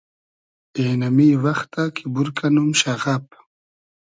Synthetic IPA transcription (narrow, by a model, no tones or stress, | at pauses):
enamiwaxt̪akʰibuɾkanumʃaɣap̚